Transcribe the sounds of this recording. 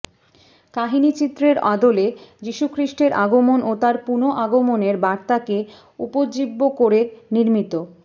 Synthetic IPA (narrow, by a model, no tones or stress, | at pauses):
kaɦinit͡ɕit̪ːɾeɾad̪oled͡ʑiʃukʰɾiʃʈeɾʔaɡomonot̪aɾpunoʔaɡomoneɾbaɾt̪ake | upod͡ʑibːokoɾeɾniɾmit̪o